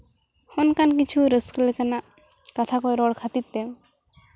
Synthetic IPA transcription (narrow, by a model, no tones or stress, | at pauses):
hɔnkankit͡ʃʰuɾəskəlɛkanaʔ | kat̪ʰakɔjɾɔɽkʰat̪it̪ːɛ